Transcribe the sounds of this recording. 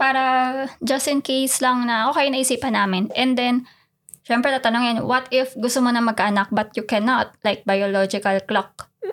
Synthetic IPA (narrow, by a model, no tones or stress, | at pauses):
paːɾɐd͡ʒɐst̪ɪnkejslɐŋnɐʔoːkɛjnɐʔɪsiːpɐnːaːmɪnʔɛnd̪ɛn | ʃɛmpɾɛt̪aːt̪ɐnoŋɪnwɐt̪ɪfɡʊst̪omonɐŋmɐɡ̚kaʔɐnɐk̚bɐt̪jʊkɛnot̪̚lajk̚bɐjolod͡ʒɪkɐlklok̚